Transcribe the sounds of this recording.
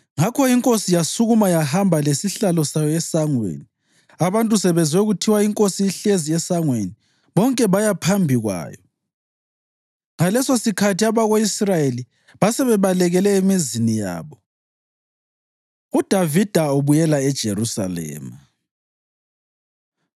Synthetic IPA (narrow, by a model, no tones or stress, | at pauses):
ŋakʰɔiŋkʼosijasuɣumajahambʱalesiɬalɔsajɔɛsaŋwḛni | aβantʼusɛβɛnd͡zʱwɛɣutʰiwaiŋkʼosiiɬeziɛsaŋweni | βɔŋkʼɛβajapʰambʱiɣwa̰ːjɔ | ŋalɛsosikʰatiaβaɣoisrajeli | βasɛβɛβalɛɣɛlɛemizinija̰ːβɔ | ud̥ʱavid̥ʱaoβujɛlaɛd̥ʒ̥ʱeɾusa̰lɛ̰ːma